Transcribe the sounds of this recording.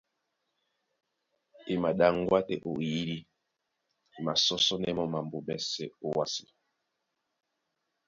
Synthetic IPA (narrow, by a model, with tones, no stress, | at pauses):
i˨ma˨ɗa˨ŋ˦ɡwa˦tɛ˨ʔo˨ji˦ɾi˦ | i˨ma˨sɔ˦sɔ˦nɛ˦mɔ˦ma˨mbo˨mɛ˦˨sɛ˦o˦wa˦si˨